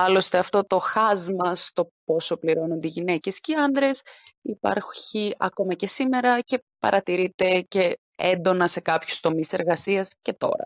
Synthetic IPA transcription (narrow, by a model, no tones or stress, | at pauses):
ɐlo̞st̪e̞ɐft̪o̞t̪o̞xɐzmɐst̪o̞po̞so̞pliɾo̞nond̪eiʝine̞ce̞sceɐnd̪ɾe̞sipɐ̰ɾçiɐ̰ko̞mɐce̞sime̞ɾɐce̞pɐ̰ɾɐt̪iɾit̪e̞ce̞ | end̪o̞nɐse̞kɐpçu̥st̪o̞mise̞ɾɣɐsiɐsce̞t̪o̞̰ɾɐ̰